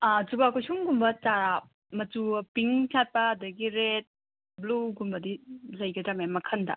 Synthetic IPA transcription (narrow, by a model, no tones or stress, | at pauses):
ad͡ʒubakosuŋɡumbɐt͡ʃaɾa | mɐtupiŋkʰat̚pɐːdɐɡiɾet̚ | bluɡumbɐdilɐjɡɐdɾamemɐkʰɐndɐ̰